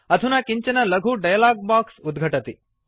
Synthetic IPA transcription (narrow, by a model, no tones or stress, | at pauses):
ɐd̪ʱunɐkiɲt͡ʃɐnɐlɐɡʱuɖɐjɐlaːɡ̚baːksud̪ɡʱɐʈɐt̪i